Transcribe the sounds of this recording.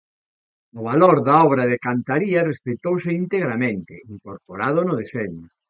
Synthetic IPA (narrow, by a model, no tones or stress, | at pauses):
nʊβaloɾðaɔβɾaðɪkant̪aɾiɐrespet̪owsɪint̪eɣɾamẽnt̪ɪ̰iŋkoɾpoɾað̞ʊnʊðesɛɲʊ